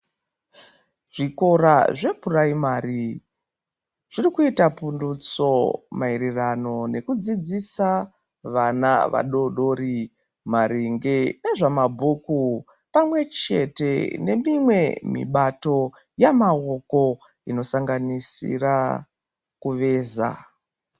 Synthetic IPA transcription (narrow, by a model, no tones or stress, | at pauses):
ʐ̥iko̞ɾaʐe̞puraimaːɾi | ʐ̥irikuitapundut͡somaiɾirano̞ne̞kud͡zid͡zisa | ʋana̰ʋa̰ɗo̞ɗo̞ɾi | maɾiŋɡe̞ɗaʐamabʱuku | pamwe̞t͡ʃe̞te̞̰ne̞mimwe̞mḭɓato̞ | jamaoko̞ | ino̞saŋɡanisḭra | kuʋe̞ːza̰